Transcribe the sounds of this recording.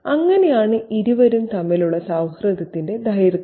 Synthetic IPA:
ɐŋːɐne̞jaːɳɨʔiɾuʋɐɾumt̪ɐmːiluɭːɐsaːwhrɐd̪ɐt̪ːinde̞d̪ʱɐjɾ

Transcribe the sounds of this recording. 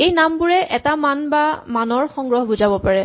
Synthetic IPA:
ejnambʊɹɛʔɛtamanbamanɔɹxɔŋɡɹɔɦbuzabɔpaɹɛ

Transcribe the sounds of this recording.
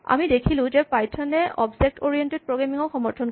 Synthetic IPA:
a̰midekʰilʊ̃d͡ʒɛpajtʰɔnɛʔɔbzɛk̚toɹijɛnted̚pɹoɡɹamiŋɔxɔmɔɹt̪ʰɔn

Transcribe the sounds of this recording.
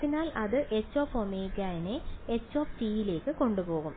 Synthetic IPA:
t̪ːinaːlʔɐðɨʔet͡ɕːo̞ːpːomeːkːaːjineet͡ɕːo̞ːpt͡ɕiːjile̞ːkːɨko̞ɳɖupo̞ːɣum

